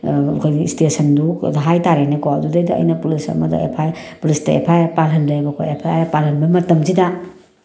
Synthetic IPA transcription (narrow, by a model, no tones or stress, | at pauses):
kʰojɡistesɐndṵdɦajtaɾenekoɐdudɐjdɐɐ̰jnɐpulisɐ̰mɐ̰dɐ̰ḛpʰajpulistɐḛpʰajpaɾɦɐndɐbɐkʰojepʰajajapaɾɦɐnbɐmɐtɐmzidɐ